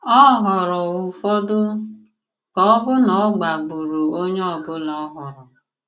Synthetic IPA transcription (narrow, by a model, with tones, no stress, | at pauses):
ɔ˦ɦɔ˨ɾɔ˨u˨fɔ˦dʊ˦ | kɔ˨˦bʊ˦nɔ˨˦ɡ͡ba˨ɡ͡bu˨ɾu˨o˦ɲe˦ɔ˦˨bʊ˦lɔ˨˦ɦɔ˨ɾɔ˨